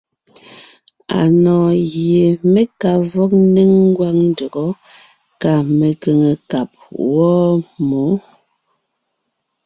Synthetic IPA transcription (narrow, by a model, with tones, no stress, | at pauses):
a̰˨nɔː˨ɣje˨me˦ka˨vɔ˦k̚n˦ne˦ŋŋ˦ɡwa˦ŋn˦də˨ɡɔ˨˦ | ka˦˨me˨ke˨ŋe˨ka˨p̚wɔː˦mo˨˦